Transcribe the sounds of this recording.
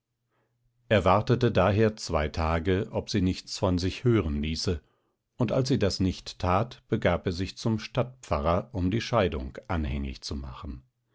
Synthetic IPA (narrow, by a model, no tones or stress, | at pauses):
ʔeːɐvaɐtətədaːɦeːɐt͡sv̥aɪtʰaːɡəʔɔpz̥iːnɪçt͡sfɔnzɪçhøːʁənliːsə | ʊntalsz̥iːdasnɪçtʰːaːtb̥əɡaːpeːɐzɪçt͡sʊmʃtat̚pp͡faʁɐʔʊmdiːʃaɪdʊ̰ŋkʔanhɛ̰ŋɪ̰çt͡suma̰χn̩